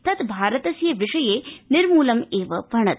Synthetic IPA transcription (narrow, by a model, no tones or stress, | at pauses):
t̪ɐt̪bʱaːɾɐt̪ɐsjɐʋɪʂɐjeːnɪɾmuːlɐmeːʋɐʋʱɐɳɐt̪